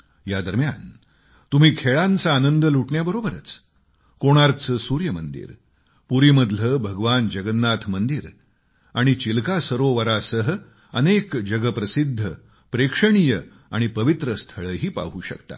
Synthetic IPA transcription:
jad̪əɾmja̰n | t̪um̤iːkʰeɭãnt͡saːnənd̪əluʈʰɳjabəɾobəɾə̰t͡s | koɽ̃aɾt͡səsuɾjəmənd̪ḭɾ | puɾiːməd̪ləbʱəɡʋand͡ʑəɡənːat̪ʰmənd̪iɾ | aɽ̃it͡ɕilkasəɾoʋəɾasəɦə | ənekd͡ʑəɡəpɾəsid̪ʱːə | pɾekʂəɳ̃ijə | aɽ̃ipəʋit̪ɾəst̪ʰəɭəːɦiːpa̰ɦuːɕə̰kt̪a̰

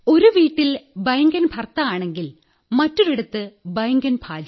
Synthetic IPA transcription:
o̞ɾuʋiːʈːilbɐjŋɡɐnbʱɐrt̪ːɐaːɳe̞ŋɡil | mɐtːuɾeɽut̪ːɨbɐjŋɡɐnbʱaːd͡ʑɐ

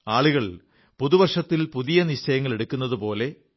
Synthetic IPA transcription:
aːɭuɣɐɭ | puðuʋɐrʂɐt̪ːilpuðijɐnit͡ɕːɐjɐŋːɐɭe̞ɽukʲːunːɐðupo̞ːle̞

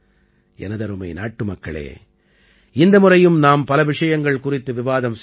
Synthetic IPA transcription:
ɛ̰nɐðɐɾɯmɐɪnaːʈːɯmɐkːɐ̰ɭḛː | ɪnd̪ɐmʊrɐjɯmnaːmpɐlɐʋɪʂɐjɐŋɡɐɭkʊrɪt̪ːɯʋɪʋaːðɐms

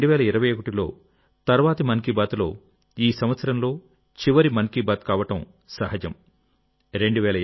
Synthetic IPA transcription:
ɖuʋɛːlɐiɾɐʋɐjokuʈilo̞̰ː | t̪ɐɾʋaːt̪ɐmɐnkiːbaːt̪lo̞̰ː | iːsɐmʋɐt̪sɐɾɐmlo̞ː | t͡ʃiʋɐɾimɐnkiːbaːt̪̚kaːʋɐʈɐm | sɐɦɐd͡ʒɐm | ɾe̞ɳɖuʋɛːlɐ

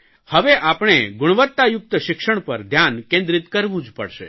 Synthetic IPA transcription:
həʋeʔapɳ̃eɡʊɽ̃ʋət̪ːajʊk̚t̪əʃɪkʃəɳ̃pəɾd̪ʱjankẽnd̪ɾit̪kəɾʋũd͡ʒpə̰ɽʃḛ

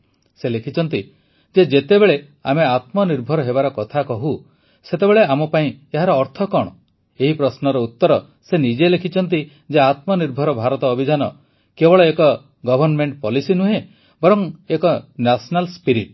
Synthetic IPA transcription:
selekʰit͡ʃɔnt̪i | d͡ʒed͡ʒet̪ebeɭe | ameat̪mɔniɾbʱɔɾɔɦebaɾɔkɔt̪ʰakɔɦu | set̪ebeɭeamɔpaĩeɦaɾɔːɾt̪ʰɔkɔɽ̃ɔ | eɦipɾɔsnɔɾɔut̪ːɔɾɔ | senid͡ʒelekʰit͡ʃʰɔnt̪̬i | d͡ʒeat̪mɔniɾbʱɔɾɔbʱaɾɔt̪ɔːbʱid͡ʒanɔ | kebɔɭɔekɔ | ɡɔbʱɔɾnmeɳʈpɔlisinuɦe | bɔɾɔŋekɔnasnalspiɾiʈ

